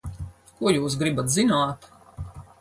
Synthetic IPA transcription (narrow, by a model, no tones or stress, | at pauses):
kuɔjuːs̬ɡɾibat̪zinaːt̪